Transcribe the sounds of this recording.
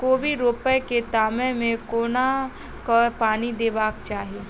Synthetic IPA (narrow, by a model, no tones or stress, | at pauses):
koːbʱiɾoːpəjket̪aːmẽmẽkoːna | kapaːnid̪eːbaːkt͡ʃaːɦieː